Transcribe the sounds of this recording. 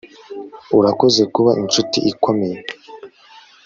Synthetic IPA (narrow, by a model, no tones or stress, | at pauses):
uɾako̞ze̞kuβaʔint͡ʃutiʔikʰo̞me̞je